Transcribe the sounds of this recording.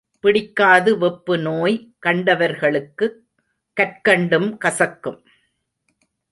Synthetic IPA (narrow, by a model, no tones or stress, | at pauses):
pɪɽɪkːaːðɯʋɔpːɯnoːjkɐɳɖɐʋɐɾɣɐɭɯkːɯ | kːɐrkɐɳɖɯmkɐsɐkːɯm